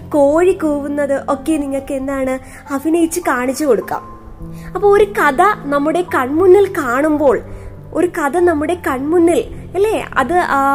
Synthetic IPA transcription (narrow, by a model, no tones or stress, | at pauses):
koːɻikoːʋunːɐðɨʔo̞ːkːe̞niŋːokːeend̪aːɳɨ | hɐfinɐjit͡ɕːɨkaːɳit͡ɕːuko̞ɽukːa̰ːm | ɐpːoɭoɾukɐðɐnɐmːuɽe̞kɐɳmunːilkaːɳumbo̞ːɭ | o̞ɾukɐðɐnɐmːuɽe̞kɐɳmunːil | ɐlːeːɐ̰ðɨ